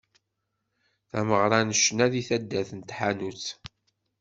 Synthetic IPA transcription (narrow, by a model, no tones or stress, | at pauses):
θæməʁɾˤɑnəʃnæðiθæd̪ːæθənt̪ħanut͡sː